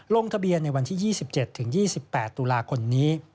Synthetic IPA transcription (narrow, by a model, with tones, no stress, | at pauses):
loː˧ŋt̪ʰa˧bi˧ənːa˧jwa˧nt̪ʰiː˥˩jiː˥˩si˨˩p̚t͡ɕe˨˩t̪ʰːɯ˩˦ŋjiː˥˩si˨˩pːɛː˨˩t̪ːuː˧laː˧kʰo˧mniː˦˥